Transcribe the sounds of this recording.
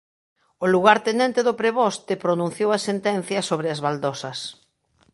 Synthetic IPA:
oluɣaɾt̪enɛnt̪eðʊpɾeβɔst̪ɪpɾonũn̟θjowɐsent̪ɛn̟θjɐsoβɾɪazβald̪ɔsɐs

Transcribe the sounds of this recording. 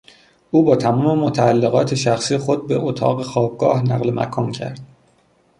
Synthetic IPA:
ʔuːbɒːt̪ʰæmɒːme̞mo̞t̪ʰæælːeɣɒːt̪ʰeʃæxsiːjexo̞d̪̚beʔot̪ʰɒ̰ːɣe̞xɒːb̚ɡɒːhnæɣlemʔæ̰kʰɒːncʰæ̰ɾd̪̥

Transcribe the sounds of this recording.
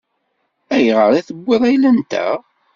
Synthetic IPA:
æjʁəɾˤiθəbːeðˤæjlænt̪æ̰

